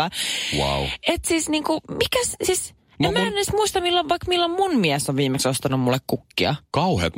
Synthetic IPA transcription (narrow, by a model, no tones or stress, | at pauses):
ɑwa̰uet̪siːsniːŋkumikæssiːs | emmæːnesmuist̪ɑmilːoʋɑikmilːommunmiæsoʋʋiːmeksost̪ɑnummulːekkukːiɑ̰kɑwhḛːt̪